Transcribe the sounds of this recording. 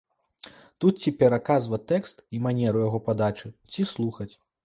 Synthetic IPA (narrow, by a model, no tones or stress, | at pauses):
t̪ut̪̚t͡sʲipʲɛɾakazvɐt̪ɛkst̪imanʲɛɾujaɣɔpad̪at͡ʂɨt͡sʲislˠuxɐt͡sʲ